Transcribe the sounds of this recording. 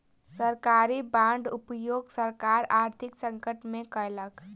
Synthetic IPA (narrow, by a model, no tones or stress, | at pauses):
səɾkaːɾibãːɳɖʊpjoːɡsəɾkaːɾaːɾt̪ʰɪksə̃ŋkəʈmẽkələk